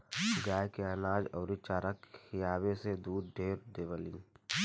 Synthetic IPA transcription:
ɡaːjkeənaːd͡ʒɔːɾit͡ʃaːɾəkɪjaːbesed̪uːd̪ɖʱeːɾd̪eːʋəlĩː

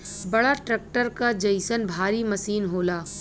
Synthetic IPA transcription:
bɐɽaʈɾɛːk̚ʈəɾkad͡ʒɐɪsənbʱaːɾimɐsiːnɦoːlaː

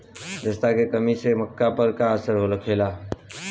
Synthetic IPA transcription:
d͡ʒəst̪akekəmiseməkːapəɾkaəsəɾɦoləkʰɦela

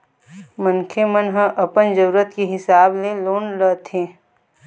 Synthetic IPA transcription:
mənkʰemənɦə̃ʔɐpənd͡ʒəɾuːɾət̪keɦɪsaːbleloːnɾət̪ʰẽː

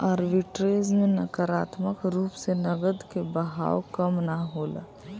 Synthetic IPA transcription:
əːɾʋɪʈɾeːzmẽnəkəɾaːt̪məkɾuːpsenəɡəd̪kebəɦa̰ːwkəmnaɦoːla̰

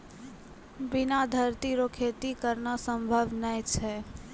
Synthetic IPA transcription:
bɪnad̪ʱəɾt̪iɾokʰet̪ikəɾnasəmbʱəʋnəjt͡ʃʰɛ

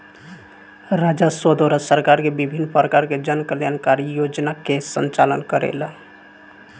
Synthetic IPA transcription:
ɾad͡ʒasəd̪oɾəsəɾkaɾkebibʱinːpɾəkaɾked͡ʒənkəljankaɾijod͡ʒnakesənt͡ʃalənkəɾḛl

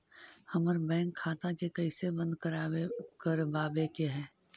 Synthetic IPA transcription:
hɐməɾbɛ̃ːŋkʰːaːt̪akekɐɪsebɐ̃nd̪̚kəɾaːekəɾbaːbekeɦɛː

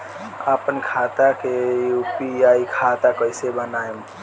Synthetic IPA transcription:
apənkʰat̪akejupiaːikʰat̪akəɪsebənaem

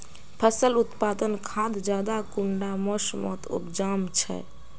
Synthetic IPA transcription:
pʰəsəlut̪pad̪ənkʰad̪d͡ʒjad̪akuɳɖamɔsmɔ̰t̪ṵpd͡ʒamt͡ʃʰɛ̰

